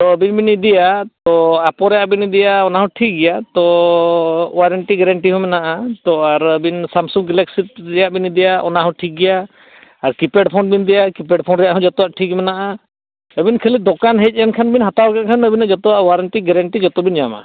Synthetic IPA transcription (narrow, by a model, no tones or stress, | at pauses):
t̪ɔəbinbinid̪ɛjat̪ɔapɔɾɛjaʔbinid̪ɛjaɔnaɦɔ̃ʈʰik̚ɡɛjat̪ɔ | waɾəɳʈiɡɛɾaɳʈiɦɔ̃mɛnaʔat̪ɔaɾəbinsamsuŋɡɡɛlɛksit̪̚d̪ɛjaʔbinid̪ɛjaɔ̰naɦɔ̃ʈʰik̚ɡɛjaː | ɾkipɛɖpʰɔnbind̪ɛjakipɛɖpʰɔnɾɛjaʔɦɔ̃d͡ʒɔt̪ɔwaʔʈʰikmɛnaʔa | əbinkʰəlid̪ɔkanɦɛt͡ʃ̚ˀjankʰanbinɦat̪awkɛt̪̚kʰanəbinaʔd͡ʒɔt̪ɔwaʔwaɾəɳʈiɡɛɾaɳʈid͡ʒɔt̪ɔbind͡ʒama̰